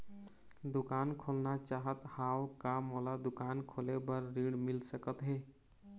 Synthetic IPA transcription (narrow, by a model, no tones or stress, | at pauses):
d̪ukankʰolnat͡ʃaɦət̪hawkamolad̪ukankʰolebəɾːiɽmilsəkət̪ɦe